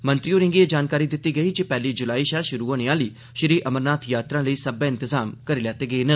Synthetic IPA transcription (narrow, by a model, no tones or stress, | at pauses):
mə̃nt̪ɾioːɾɪ̃ŋɡieːd͡ʒaːnkaːɾiːd̪ɪt̪ːiːɡəiːd͡ʒipɛːliːd͡ʒʊlaːiːʃaːlʃʊɾuːoːnẽãːliː | ʃɪɾiːʔəməɾnaːt̪ʰjaːt̪ɾãːləiːsəbẽːɪnt̪ɪzaːmkəɾiːlaːt̪eːɡəeːnə